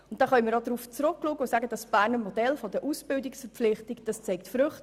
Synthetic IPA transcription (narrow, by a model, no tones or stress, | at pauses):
ʊnt̚d̥ɑːχœʏmiːɾdodɾuːft͡sɾʊkluːɡəʊsaːɡəd̥ɑsb̥æːɾnəmɔdɛlfɔdəʔuːsb̥ɪldɪksfəpp͡flɪχtɪkd̥ɑst͡sɛɪk̚tfɾʏχt